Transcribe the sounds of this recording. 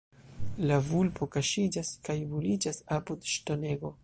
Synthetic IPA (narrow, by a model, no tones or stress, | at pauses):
lavulpo̞kaʃid͡ʒaskajbulid͡ʒasapudʃto̞ne̞ɡo̞